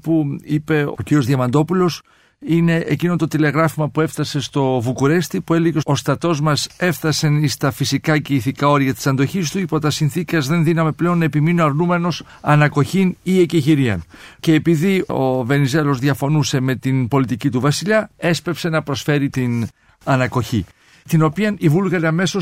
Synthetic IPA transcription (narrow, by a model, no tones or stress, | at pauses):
puipe̞ociɾio̞zðiɐmɐnd̪o̞pulo̞s | ine̞ʔḛcino̞t̪o̞t̪ile̞ɣɾɐfumɐpue̞fθɐse̞st̪o̞vukuɾe̞st̪ipue̞leʝeo̞st̪ɐt̪o̞zmɐse̞fθɐsenist̪ɐfisikɐceiθikɐo̞ɾiɐt̪i̥sɐnd̪o̞çist̪uipo̞t̪ɐsinθikɐzðe̞nðinɐme̞ple̞o̞nːɐepiminoɐɾnume̞no̞s | ɐnɐko̞çinieciʝiɾiɐ̰nce̞ːpiðio̞ve̞nize̞lo̞zðʝɐfo̞nuse̞me̞t̪inpo̞lit̪icit̪uvɐsiʎɐe̞spe̞pse̞nɐpɾo̞sfe̞ɾit̪in | ɐnɐko̞çi | t̪ino̞piɐnivulɣɐɾiɐme̞so̞